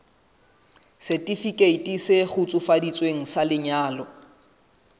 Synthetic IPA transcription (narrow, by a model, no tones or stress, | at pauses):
sɛtʼifikʼeitʼisɪχʊt͡sʼʊfadit͡sʼweŋ̩salɪɲaːlɔ